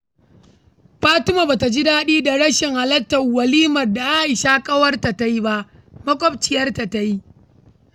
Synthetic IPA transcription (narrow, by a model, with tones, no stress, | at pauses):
ɸaː˦tʊ˦ma˨baː˨ta˨d͡ʒi˦daː˦ɗiː˦da˨ɽɐ˦ʃɪ˨ŋha˨lɐ˦tːɐː˨ɐ˨liː˦mɐ˨rda˨ʔa˦ʔɪ˨ʃa˦kʼɐ˦wɐ˦rta˨ta˦ji˦ba˦ʔ | mɐ˦kʷʼɔ˦b̚t͡ʃɪ˨jɐ˦rta˨ta˦ji˦